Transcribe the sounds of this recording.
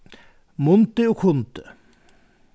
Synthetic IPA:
mʊnt̪əokʰʊnt̪ə

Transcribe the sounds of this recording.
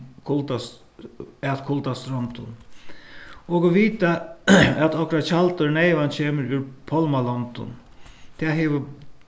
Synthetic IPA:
kʰʊlt̪a | ɛt̪kʰʊlt̪ast̪ɾɔnt̪ʊn | ɔkɔʋiːt̪aɛt̪ɔhkɾat͡ʃʰalt̪əɾnɛɪʋant͡ɕʰeːməɾʉɾpʰɔlmalɔnt̪ʊ̰n | t̪ʰɛːɦɛʋə

